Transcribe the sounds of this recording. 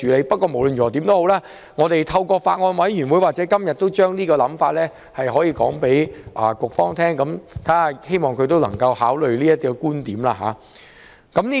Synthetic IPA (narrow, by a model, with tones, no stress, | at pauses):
yː˨˥le˨˧jpɐ˥t̚kɔː˧mo˨˩wlɵ˧njy˨ɔ˨˩t̪i˨˥nt̪o˥who˨˥wlaː˦˥ | ŋɔː˨˧t̪e˨˩jt̪ʰɐ˧wkɔː˧faː˧t̚ŋɔː˧nwɐ˨˥jɥy˨˩nwu˨˥jwaː˨t͡sɛː˨˥kɐ˥mjɐ˨t̚t̪o˥wt͡ʃœː˥ŋniː˥kɔː˧lɐ˨˥mfaː˧t̚lɛː˥ | hɐ˨jɦɔː˨˥jiː˧kɔ̰ː˨˥ŋpe˨˥jʔa˨˩kʊ˨k̚fɔː˥ŋt̪ʰɛː˥ŋkɐ˨˥mt̪ʰaː˦˥˨he˥jmɔː˨ŋkʰɵ˨˧ɥt̪o˥wlɐ˨˩ŋkɐ˧whaː˨˥wlɵ˨ɥliː˥jɐ˥t̪̚i˥kuː˥nt̪iː˨˥mlaː˧ɦa̰ː˨˦ | kɐ˨˥mniː˥